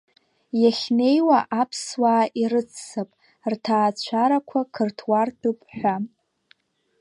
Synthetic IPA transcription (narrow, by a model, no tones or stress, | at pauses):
jaχʲne̞jwaʔapʰswaːʔiɾɨt͡sʰːapʼ | rtʰaːt͡ɕʷʰaɾakʷʰakʰɨrtʰwartʰɨpʼħʷᶣa